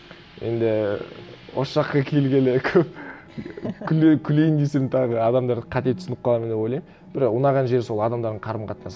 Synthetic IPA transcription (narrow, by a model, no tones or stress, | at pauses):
je̞̰nd̪ɪ | wosʃɑqːɑkʲʰe̞lɡʲelɪkʲʰɵp̚ | kʲʰʏlkʲʰʏlejɪnd̪eseɾɪnt̪ʰɑʁəɑd̪ɑmd̪ɑɾqʰɑt̪e̞t̪ʰʏsnɪp̚qʰɑlˠɑmend̪eo̞jlˠɑjm | b̥ɪɾʊnɑʁɑnʒe̞ɾso̞lˠɑd̪ɑmd̪ɑɾd̪əɴqʰɑɾəmqʰɑt̪nɑs